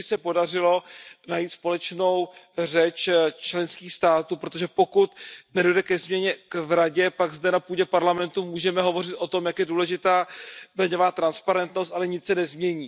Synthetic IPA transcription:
ɪsɛpo̞dar̝ɪlo̞najit̪spo̞lɛt͡ʃno̞wrɛt͡ʃt͡ʃlɛnskiːxst̪aːt̪uːpɾo̞t̪̬oʒɛpo̞kut̪nɛdo̞jdɛkɛzmɲɛɲɛkvɾaɟɛpaɡzdɛnapuːɟɛpaɾlamɛnt̪umuːʒɛmɛɦo̞vo̞r̝ɪt̪ʔo̞t̪o̞mjakjɛduːlɛʒɪt̪aːblɛɲo̞vaːt̪ɾanspaɾɛnt̪nost̪ʔalɛɲɪt͡ssɛnɛzmɲɛɲiː

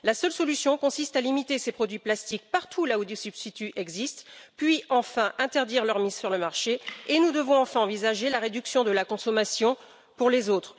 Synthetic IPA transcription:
lasœlsɔlysjɔ̃kɔ̃sist̪alimit̪esepχɔd̪ɥiplast̪ik̚paʁt̪ʰulaod̪isybst̪it̪yʔɛɡzist̪pɥiɑ̃fɛ̃ʔɛ̃t̪ɛʁd̪iʁlœʁmizsyʁləmaʁʃeenud̪əvɔ̃ɑ̃fɛ̃ɑ̃vizaʒelaʁed̪yksjɔ̃d̪əlakɔ̃sɔmasjɔ̃ | puʁlezot̪χ

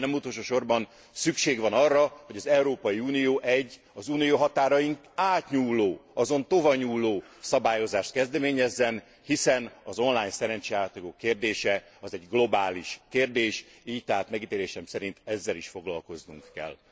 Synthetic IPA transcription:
nɛmut̪oːlʃoːʃo̞rbɒn | sykʃeːɡʋɒnɒrːɒho̞ɟɒzɛuɾoːpɒjiuːnijoːʔɛɟː | ɒzuːnijoːɦɒt̪aːɾɒjiŋk | aːt̪ɲuːlːoːɒzo̞nt̪ovɒɲuːlːoːsɒbaːjo̞zaːʃt̪̚kɛzd̪ɛmeːɲɛzːɛn | hisɛnɒzo̞nlaːjnsɛɾɛnt͡ʃɛaːt̪ːoɡokːeːrd̪eːʃɛɒzɛɟɡlo̞baːliʃkeːrd̪eːʃ | iːct̪ɛɦaːt̪mɛɡit̪eːleːʃɛmsɛɾint̪ɛzːɛliʃfo̞ɡlɒlko̞znṵŋkːɛ̰l

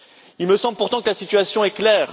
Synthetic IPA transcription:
ilməsɑ̃bləpuʁt̪ɑ̃kəlasit̪ɥasjɔ̃ɛklɛːʁ

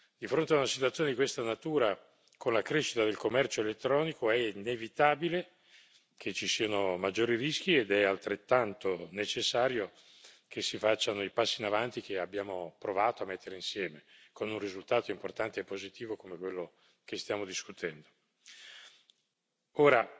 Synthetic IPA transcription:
d̪̥ifɾont̪eaunasit̪wat̪sjoned̪ikwest̪anat̪uːɾa | kʰonlakɾeʃi̥t̪ad̪elkomːɛrt͡ʃoelet̪ːɾɔːnikoɛinevit̪aːbile | kʰet͡ʃisiːanomad͡ʒːoːɾirisk̟ied̪ɛalt̪ɾet̪ːant̪onet͡ʃesːaːɾjo | k̟esːifat͡ʃːanoipasːiːnavant̪ikeabːjaːmopɾovaːt̪oamːet̪ːeɾeinsjɛːmekonunrizult̪aːt̪oimport̪ant̪eepːozit̪iːvokomekwelːo | k̟est̪jaːmod̪iskut̪ʰɛnd̪o̥ | oːɾa

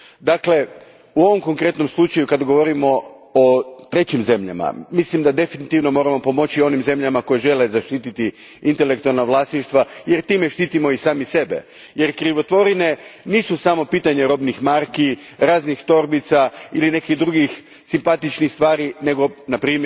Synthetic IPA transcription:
d̪akle̞ | uo̞ʋo̞mko̞ŋkɾe̞t̪no̞mslˠut͡ʃajukad̪aɡo̞ʋo̞ɾimo̞ | ot̪ɾe̞t͡ɕimze̞mʎa̰ma̰mislimd̪ad̪e̞finit̪iʋno̞mo̞ːɾamo̞po̞mo̞t͡ɕio̞nimze̞mʎamako̞jeʒe̞le̞zaʃt̪iːt̪it̪iint̪e̞lek̚t̪ualˠnaʋlˠaːsniʃt̪ʋaje̞ɾt̪iːme̞ʃt̪iːt̪imo̞isaːmise̞be̞̰ | je̞ɾkɾiʋo̞t̪ʋo̞ɾine̞niːsusamo̞piːt̪aɲe̞ɾo̞bnixmaɾkiɾaːznixt̪o̞ɾbit̪sailine̞kiɣd̪ɾuɡix | simpat̪it͡ʃnixst̪ʋaːɾine̞ɡo̞napɾiːm

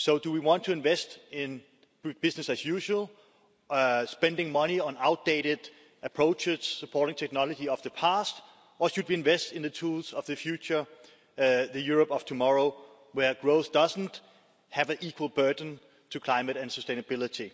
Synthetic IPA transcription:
soʊdəwiwɑ̃ntʰːuɪ̃nvɛstɪ̃n | b̥ɪsnɨsɨzjʉʃəl̩ˠ | spɛ̃ndɪ̃ŋmʌniə̃naʊt̚d̥eɪɾɪd | əpʰɹ̥oʊt͡ʃɪz̥səpʰɔɹɾɪ̃ŋtʰɛk̚nɑlˠəd͡ʒiʌvðəpʰæst | ʔəʃɨd̚wiɨ̃nvɛstɪ̃nðətʰulˠzʌvðɨfjʉt͡ʃə˞ | ðɨjuɹəpʌv̥tʰumɑɹoʊ | wə˞ɡ̥ɹoʊθd̥ʌzn̩t | hævɨ̃nikʰwəl̩ˠbɜ˞dⁿn̩ | tʰɨkʰl̥aɪ̃mɨɾɨ̃nsəstẽɪnəbɪlˠɪɾi

